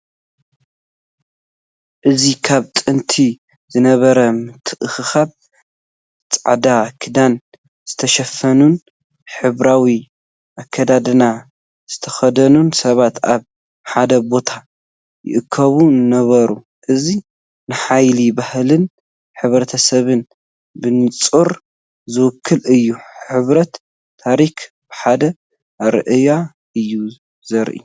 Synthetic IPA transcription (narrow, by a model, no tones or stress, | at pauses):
ʔɨzikʰaβt̪ʼɨnt̪ʰi | zɨnɐβɐɾɐmɨt̪ʰːɨʔɨxɨxaβ̚ | t͡sʼaʕd̪akʰɨd̪an | z̥ɨt̪ʰɐʃɐfːɐnun | ħɨβɾawi | ʔakʰːɐd̪ad̪ɨna | z̥ɨt̪ʰɐxɐd̪ɐnunsɐβat̪aβ | ħad̪ɐbo̞t̪ʰa | jɪ̰ʔɨkʰːɐβunɨnɐβɐɾu | ʔɨzi | nɨħajlibahlɨn | ħɨβɾɐt̪ʰɐsɐβɨn | bɨnɨt͡sʼuɾ | zɨwɨkʰːɨlɨjːuħɨβɾɐt̪ʰː | aɾik | b̥ɨħad̪ɐ | ɾɨʔɨja | ɨjːu | zɐɾʔḭ